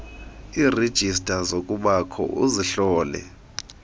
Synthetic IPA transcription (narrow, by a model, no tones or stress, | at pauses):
iːred̥ʒ̥ʱistʼazokʼuɓakʰɔ̰ʔuziɬɔːlɛ̰